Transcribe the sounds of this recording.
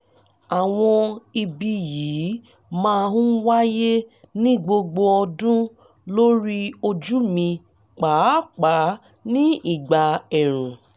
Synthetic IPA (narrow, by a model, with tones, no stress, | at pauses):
a˨w̃ɔ̃˧i˧bi˧jiː˨˦ | mãː˦˧ɦũ˦wa˦je˦ | nĩ˦ɡ͡bo˧ɡ͡bo˧ɔ˧dũ˦ | lo˦ɾi˦o˧d͡ʒu˦mĩ˧ | k͡pa˨˦k͡pa˨˦ | nĩ˦i˦˨ɡ͡ba˨ɛ˨ɾ̃ũ˨